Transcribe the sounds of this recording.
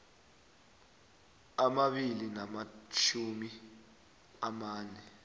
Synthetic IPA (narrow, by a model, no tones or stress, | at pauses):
amaɓilinamat͡ʃʰumi | amaːnɛ